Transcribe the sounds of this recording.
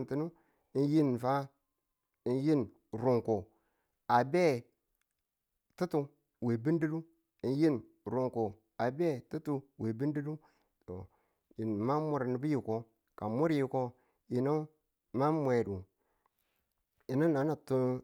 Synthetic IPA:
n˨ti˦nu˦ | i˦nji˦n˨fa˦ | i˨˦nji˦n | ɾu˨ŋko˨ | a˨be˦ | tu˦tu˦ | we˨bi˦ndi˦du˦ | i˨n˦ji˦n | ɾu˨ŋko˨ | a˨be˦tu˦tu˦we˨bi˦ndi˦du˦ | to̰˨ | ji˨n˨ma˦mu˨ɾni˨bi˦ji˨ko˦ | ka˨mu˦ɾji˨ko˦ | ji˨no˦ | ma˦mʷe˨du˨ | i˨no˦na˨˦na˨tu˦

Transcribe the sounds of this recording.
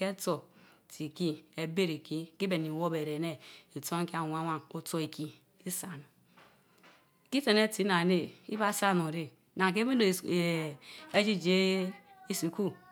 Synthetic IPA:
ke˦to˨ | ti˨ki˦e˨be˦ɾi˨ki˦ki˦be˨ni˨wo˦be˨ɾe˨ne˦i˨to˦ŋ˦ki˦a˨wʷa˦wa˦ŋo˦to˦i˨ki˦ | i˦sa˨nu˨ | ki˦te˨ne˦ti˨˦na˨ne˦˨ḭ˦ba˦sa˦˨no˨ɾe˨ | na˨ŋ˨ke˦be˦o˨e˦d͡ʒi˦d͡ʒe˦i˦si˨ku˦

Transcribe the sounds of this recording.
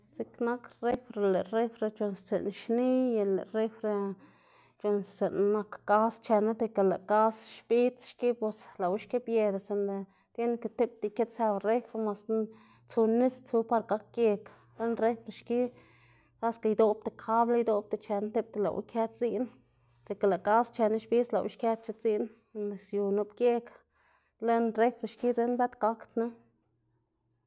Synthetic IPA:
t͡si˦kna˦kre˦fɾe˨le˨ɾe˦fɾe˧t͡ʃo˧nst͡sḛ˨nʃni˦je˧lḛ˨ɾe˦fɾe˧ | t͡ʃo˧nst͡se˨nːa˧kːa˦st͡ʃe˧na˦t̪e˧ka˨la̰˨ka˦sʃbi˦t͡sʃki˦pe˧sla˨wu˦ʃki˦bje˧d̪a˨se˧nle˧ | t̪ʲje˦nke˧t̪e˦p̚t̪i˧˨ke˦t̪sa˧bɾe˦fɾe˧ma˧s | t͡su˧nːi˦st͡su˧pa˧ɾɡa˧k̚ːje˧k | le˦nɾe˦jpɾe˧ʃki˦ | ka˦ska˧jd̪o˧b̚t̪e˨kʰa˦bla˧jd̪o˧b̚t̪e˨t͡ʃe˧nt̪e˦p̚t̪e˧la̰˨wʔkʲe˦t̪t͡si˦ʔn | d̪̥e˨ke˨la˨ka˦st͡ʃe˧na˦ʃbi˦t͡sla̰˨wʔʃkʲja˦t̪̚t͡ʃe˧˦t͡si˦ʔn | ne˨sju˨nu˧bkje˦k | le˦nɾe˦jpɾe˧ʃki˦d͡ze˧˦nbe˦t̪ka˧kt̪na˦

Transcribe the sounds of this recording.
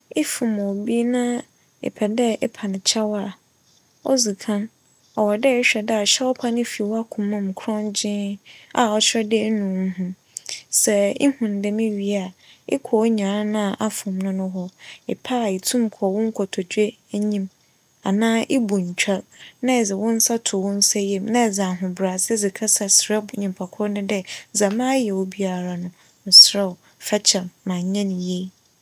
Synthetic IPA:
ɪ˦fũ˨mɔ˨bi˦nã˦ | ɛ̰˨pʰɛ˨dɛ˦ɛ˦pʰa˨nɪ̃˨t͡ɕʰɛ˦wa˨ | ɔ̰˦zi˨kʰã˦n | ɔ˨wɔ˨dɛ˦ɪ˦ɕᶣɛ˨da˨ɕɛ˦wɔ˦pʰa˦nɪ̃˦fi˨wɔ˦a˦kʰʊ̃˨mã˦˨m˨kʰɾɔ̃˦nd͡ʑɪ̃˦a˨ɔ˨t͡ɕʰᶣɛ˦dɪ˦nũ˨˦ɦʊ̃˦ | sɛ˨ɪ̰˦hʊ̃˨n˨dɛ˨mĩ˦ɥi˨a˨ɪ̰˦kʰɔ˨˦ɲã˨ɾã˦nã˦˨ʔa˨fʊ̃˨mnʊ̃˦nʊ̃˦ɦɔ˦ɪ˨pʰa˦˨i˨tʰũ˦mkʰɔ˨wʊ̃˦ŋ̩˦kʰɔ˨tʰɔ˨d͡ʑe˦ | ɲĩ˦m | a˨nãː˦ʔɪ˦bu˨ɲ̩˨t͡ɕᶣa˦ɾnã˦ɛ˨d͡zɪ˨wʊ̃˦n̩˦sa˦tʰʊ˨wʊ̃˦n̩˦sɛ˦jɛ˦mnã˦ɛ˨d͡zã˨ɦʊ̃˨bɾa˨sɪ˦d͡zɪ˨kʰa˦sa˨sɾɛ˦ɲĩ˨mpʰa˨kʰɔ˦nɪ̃˦dɛ˦zã˨mãː˦jɛ˨wɔ˦bi˦a˨ɾa˨nʊ̃˨ | n̩˨sɾɛ˦˨ | fɛ˦t͡ɕʰɛ˨mːã˨ɲ˨ɲã˦nĩ˨je˦

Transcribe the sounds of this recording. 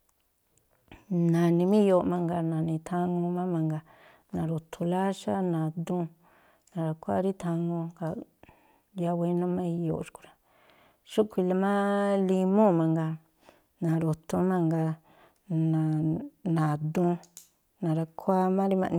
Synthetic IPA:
nã˨nĩ˧mĩ˦jo˧˨˧mã˧ŋɡa˧nã˨nĩ˧t̪ʰã˧ŋũ˧mã˦mã˧ŋɡa˧ | nã˨ɾo˨t̪ʰu˧la˦ʃa˦nã˨d̪ũ˧˦ | nã˨ɾa˧kʷa̰˦ɾi˦t̪ʰã˧ŋũ˧ka˨ | ja˧we˧˦nõ˦mã˦i˧jo̰˧˨ʔʃu̥˧ku̥˧ɾa˨ | ʃu˦kʷi˧la˧mã˦li˧mõ˦˨mã˧ŋɡa˧ | nã˨ɾo˨t̪ʰũ˧mã˧ŋɡa˧ | nã˨nã˨d̪ũ˧ | nã˨ɾa˧kʰʷa˦mã˦ɾi˦mã̰˧ʔñ˧

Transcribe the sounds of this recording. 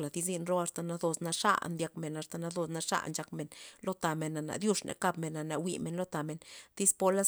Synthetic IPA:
la˨d̪i˧˦z̬i˦˧nɾo˦a˧st̪a˨na˧d̪o˧sna˧ʂa̰˦nd̪ja˧kme˨na˧st̪a˨na˧d̪o˧sna˧ʂa̰˦ʔnt͡ʃa˧kme˨nlo˦t̪a˨me˨nːa˨na̰˨ʔd̪ju˦ʂnʔḛ˨ka˧bme˨nːa˨na˨wi˧me˨nlo˦t̪a˨me˨nt̪i˦spo˧la˦s

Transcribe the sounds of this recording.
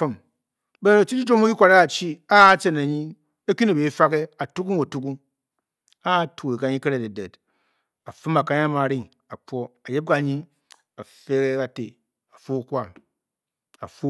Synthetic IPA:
fɨ˦m | be˦no˨t͡ʃi˦t͡ʃi˦d͡ʒo˦mo˦ki˦kʷa˨ɾa˦ka˨t͡ʃi˦a˦t͡ʃe˨na˨ɲi˦ | e˦kʲi˦ne˨be˨˦fa˦ke˦a˨tu˦ku˦ŋo˨tu˦ku˦ŋ | a˦˨tu˨e˨ka˨˦ɲi˦ke˦ɾe˨de˨de˨t | a˨fɨ˦ma˨ka˦ɲa˦ma˨ɾi˦ŋ | a˨k͡pʷo˦a˨je˦p̚ka˨ɲi˦ | a˨fe˦ke˦ka˨te˨ | a˨fu˦˨kʷa˦˨m | a̰˨fu˦

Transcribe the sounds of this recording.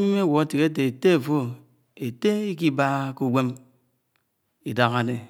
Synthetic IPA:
i˦m˦e˦wo˨e˦ti˨ke˦t̬e˨e˨te˦e˨fo˦ | e˨te˦i˦ki˦ba˦ku˦ɡʷe˦m | i˨da˨ka˨ne˨

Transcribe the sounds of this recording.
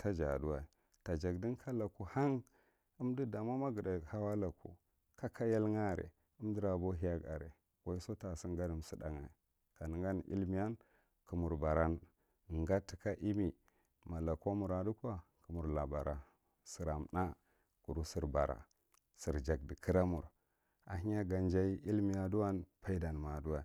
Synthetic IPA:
tʰa˦d͡ʒa̰˨du˦wa˨i˨ | ta˨d͡ʒa˨ɡdi˦nkʰa˦la˨ku˦ha˦ŋ | u˦mdi˦da˨ma˦ma˦ɡə˨da˨ha˦wa˦la˨kṵ˨ | ka˦kʰa˦ja˦lŋa˦˨ɾḛ˨ | u˦mdi˦ɾa˨bo˦ɦi˦a˦ɡa̰˨ɾḛ˨ | wa˦i˦so˦ta˨si˦ŋɡa˦di˦msi˦da̰˨ŋa˨i˨ | ka˨ni˨ŋɡa˦n˨ʔḭ˦lmi˦ja˦n | ku˨mu˨ɾba˨ɾa˦n˨ | ŋɡa˦ti˦ka˦ʔi˦mi˨ | ma˨la˨ko˦mu˨ɾa˨du˦kʷa˦ku˨mu˨ɾla˨ba˨ɾa˨ | si˨ɾa˨mna˦ | ku˨ɾu˦si˦ɾba˨ɾa̰˨ | si˨ɾd͡ʒa˨ɡ̚di˨kʰi˦ɾa˦mu˨ɾ | a̰˨ɦi˦ɲa˦ɡa˨nd͡ʒa˦i˦ʔi˦lmi˨ja˦˨du˦wa˦npa˦i˦da˨nma˨du˦wa˨

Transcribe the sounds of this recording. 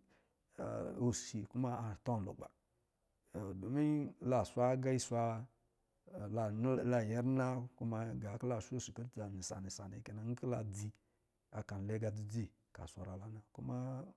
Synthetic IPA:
o˨si˨ku˦ma˦a˨tɔ˦n˨lo̰˨ɡ͡ba̰˨ | do˨mi˦la˨sʷa˦ɡa˦i˦sʷa˧˨ | la˨˦la˨je˦ɾna˦ku˦ma˦ɡa˨˦kla˦˨ʃo˦˨si˨kə˦ta˨ni˨sa̰˨ni˨sa̰˨nḛ˨ke˦na˨ŋ̩˦ki˦la˨d͡zi˦ | a˨ka˨n˨le˦ɡa˧d͡zi˨d͡zi˦˨ | ka̰˨sʷa˨ɾa˨la˦na˨ku˦ma˦

